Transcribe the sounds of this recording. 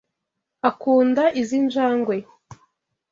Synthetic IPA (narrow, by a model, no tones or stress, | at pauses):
akuːndaʔizind͡ʒaːŋɡwe